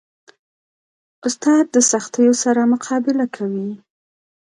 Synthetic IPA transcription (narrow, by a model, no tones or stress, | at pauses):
ʊst̪ɑd̪̚ːəsaxt̪əjosaɾamʊqʰɑbɪlakʰawi